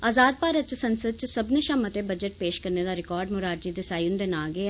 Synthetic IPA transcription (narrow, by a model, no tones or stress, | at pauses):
aːzaːd̪̚paːɾət̪̚t͡ʃsənsəd̪̚t͡ʃsɐbneʃãːmət̪ebəd͡ʒəʈ̚peːʃkəɾneːd̪aːɾɪkɔːɾɖmʊɾaːɾd͡ʒiːd̪eːsaːjʊnd̪enaːɡe